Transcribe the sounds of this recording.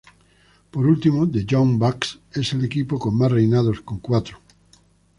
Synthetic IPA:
poɾult̪imod̪ed͡ʒombakseselekipokoŋmasrejnaðoskoŋkwat̪ɾo̥

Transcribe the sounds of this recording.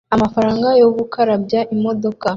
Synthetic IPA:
amafaɾaːŋɡajoβukʰaɾabjaʔimo̞do̞ka

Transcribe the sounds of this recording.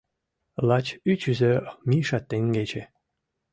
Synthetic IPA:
lɑt͡ɕyt͡ɕyzømʲiʃɑt̪ːeŋɡet͡ɕe

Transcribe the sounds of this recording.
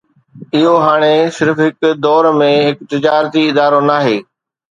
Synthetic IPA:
ɪɦoɦaːɽ̃esɪɾfɦɪkd̪ɔːɾmẽɦɪkt̪ɪd͡ʑaːɾt̪iɪd̪aːɾonaːɦeː

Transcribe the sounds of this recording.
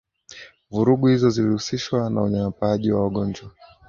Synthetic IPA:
vuɾuɠuhizɔzilihusiʃwana̰uɲaŋapaʄiwawaɠɔɲd͡ʒwa

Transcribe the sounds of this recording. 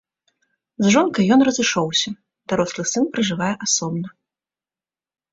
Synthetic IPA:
zʐɔnkɐjːɔnrɐzɨʂɔwsʲɐ | d̪̥aɾɔslˠɨsɨnpɾɐʐɨvajɛʔasɔbnɐ

